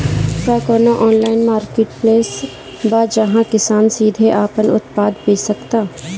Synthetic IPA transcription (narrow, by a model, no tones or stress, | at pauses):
kaːkoːnaʔɔːnlaːɪnmaːɾkeːʈpleːs | bad͡ʒɐɦãkɪsaːnsiːd̪ʱeʔaːpənʊ̰t̪paːd̪peːsɐkt̪aː